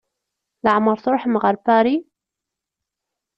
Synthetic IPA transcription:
laʕmɑɾˤθˤʊɾħmɣaɾˤpaːɾi

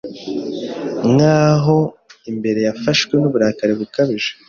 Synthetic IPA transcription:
ŋaːɦo̞imbe̞ɾe̞jafaʃwe̞nuβuɾaːkaɾeβukaβiʒe

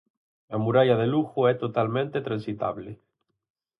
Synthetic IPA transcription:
lamuɾaʎaðeluxoɛt̪ot̪almẽnt̪et̪ɾansit̪a̰βle

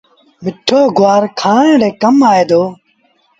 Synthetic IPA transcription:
mɪʈʰoːɡʊʋaːɾkʰaːɳẽːɽeːkəmaːeːd̪oː

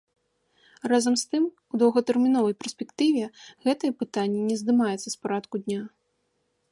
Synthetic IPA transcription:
razɐmst̪ɨm | ud̪ɐwɣɐt̪ɛrmʲinɔvɐjpʲɛrsʲpʲɛkt̪ɨvʲɛɣɛt̪ɨjɛpɨt̪anʲːinʲɛzd̪ɨmajɛt̪sɐspaɾat̪kud̪ʲnʲa

